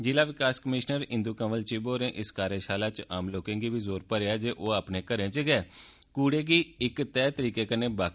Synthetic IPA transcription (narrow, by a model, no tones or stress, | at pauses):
d͡ʒɪlaːʋɪkaːskəmɪʃnəɾɪ̃nd̪uːkə̃ːʋəlt͡ʃiːboːɾẽːʔɪskaːɾeːʃaːlaːt͡ʃaːmloːkẽːɡiːbiːzoːɾpəɾeːaːd͡ʒeːʔoːaːpneːkəɾẽːt͡ʃəɡɛː | kuːɽeːɡiːɪkt̪ɛːt̪əɾiːkeːkəneːbaː